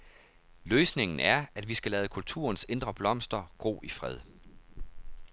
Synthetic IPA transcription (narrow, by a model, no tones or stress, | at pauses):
løːsne̝ŋn̩æɐæd̥ʋisɡ̥ælɛːðˠkʰult͡sʰṵːɐnse̝nd̥ʁɐb̥lɒ̽m̰sd̥ɐɡ̥ʁo̝̰ːʔifʁɛð̞̰ˠ